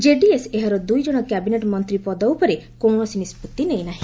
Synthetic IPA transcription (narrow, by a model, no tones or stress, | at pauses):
d͡ʒeɖieseɦɔɾɔd̪ujd͡ʒɔɽ̃ɔkjabineʈmɔnt̪ɾipɔd̪ɔwpɔɾekoɽ̃ɔsinisput̪ːinejnaɦĩ